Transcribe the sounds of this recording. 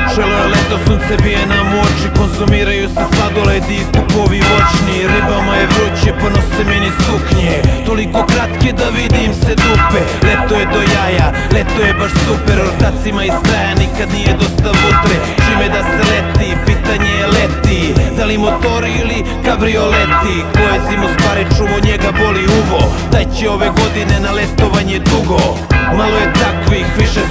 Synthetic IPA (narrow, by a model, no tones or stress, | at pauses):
ʒeliolet̪osunsebienamoːt͡ʃikonzumiːɾajuseslad̪oled̪iispukoʋiʋo̞t͡ʃniɾibamojebɾut͡ɕepanoseminisukɲet̪o̞liko̞kɾat̪ke̞d̪aʋid̪imse̞d̪upe | let̪ojed̪o̞jaja | let̪ojebaʃsupeɾot̪at̪simaisk̪ɾajanikad̪nijed̪o̞st̪abupɾe | t͡ʃimed̪aselet̪ipit̪aɲejelet̪id̪alimo̞t̪o̞ɾiili | kabɾio̞let̪i | kojesimost̪ʋaːɾit͡ʃuʋoɲeɡabo̞liuʋod̪ajt͡ɕeo̞ʋe̞ɡo̞d̪ine̞nalet̪o̞ʋaɲed̪uɡo | malo̞jet̪akʋixʋiʃe